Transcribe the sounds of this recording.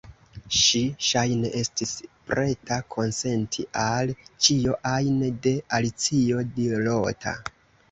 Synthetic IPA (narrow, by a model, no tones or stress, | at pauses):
ʃiʃajne̞ʔe̞stispɾe̞takʰo̞nse̞ntʰiʔalt͡ʃioʔajnede̞alit͡sio̞dilo̞tʰa̰